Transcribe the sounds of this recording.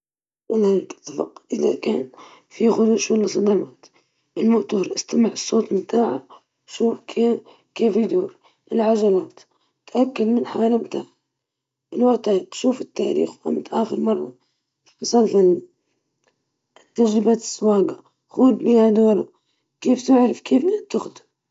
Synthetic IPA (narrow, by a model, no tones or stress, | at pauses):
ʔɪlhakɪ̥t̪ˤːɑfɑ̰qʔɪða̰kaːn | fiɣʊduʃulɪsˤɑd̪ɑmaːt̪ | ʔɪlmʊʔt̪ːɾˤʔɪst̪amɪʕɨsˤːoːt̪mt̪aːʕa̰ | ʃuːfkʰe | keːfid̪uːɾ | ʔɪlʕaʒalaːt̪ | t̪ʔakːalmɪnħawaːlamt̪aːʕa | ʔɪlwaʔt̪ːaɾiqʃuːfɪt̪ːa̰ːɾḭːxwʔa̰mt̪ʔaːxɪɾmɑrˤːɑ̰ | sˤɑlfɪl | t̪ːad͡ʒɾɪbat̪ɪ̥sːwɑːɡa | xuːd̪biːhad̪oːɾa̰ | keːft̪ɪʕɾɪfkeːfnat̪ːɪxd̪